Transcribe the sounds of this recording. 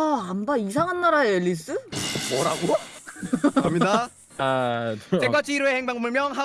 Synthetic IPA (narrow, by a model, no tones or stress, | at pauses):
ambaisʰaŋɦanːaɾaeeʎːis͈ɯʌɾaɡo | kʰamɲida | as͈eɡwat͡ɕ͈ʰiiɾoeheŋbaŋɡmuɭmjʌŋɦa